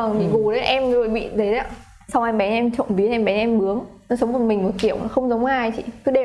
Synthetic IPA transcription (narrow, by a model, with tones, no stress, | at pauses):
ə˨˩ŋt̪ḭ˧˨ku˨˩ɗə˨˦ʔɛ˧m˧zo˨˩jɓḭ˧˨t̪ʰe˨˦a˧˦ | sa˧wʔɛ˧mɓɛ˨˦nʔɛ˧mt͡ɕɔ̰˧˨nvi˨˦n˨ɛ˧mɓɛ˨˦nʔɛ˧mɓɨ˨˦əŋnɔ˨˦sə˨˦wŋ͡mvə˨˩mï˨˩ŋ̟mo˨˩t̚ki˧˩əwnɔ˨˦xə˧wŋ͡mzə˨˦wŋ͡maː˧˩jt͡ɕḭ˧˨kɨ˨˦ɗe˨˩